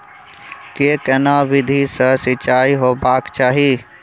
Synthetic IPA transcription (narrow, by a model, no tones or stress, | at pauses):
keːkənaːʋɪd̪ʱisəsɪt͡ʃaːiɦoːbaːkt͡ʃaːɦiː